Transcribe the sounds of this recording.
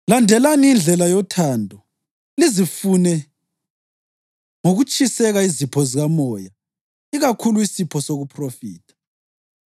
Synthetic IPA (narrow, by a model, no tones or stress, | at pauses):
landʱɛlaniind͡ɮʱɛlajɔtʰaːndʱɔ | lizifunɛ | ŋoɣut͡ʃʰʼisɛɣaizipʰɔziɣamɔja | iɣakʰuluisipʰɔsoɣupʰrofiːtʰḁ